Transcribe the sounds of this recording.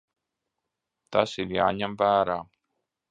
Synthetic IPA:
t̪asiɾjaːɲamvæːɾaː

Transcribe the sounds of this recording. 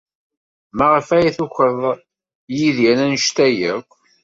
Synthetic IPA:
mæʁəfæjæθuçəðˤ | jiðjænænʃt̪æjækʷː

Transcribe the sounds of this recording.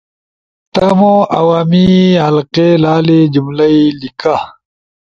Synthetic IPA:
t̪ɐmõʔɐwaːmiɦɐlqelaːled͡ʑumlɐilika

